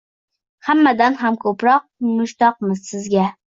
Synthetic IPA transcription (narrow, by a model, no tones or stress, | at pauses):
hamːad̪anɦamkʰɵpɾɒq̚mʊʃt̪ɒqmɪzsɪzɡʲa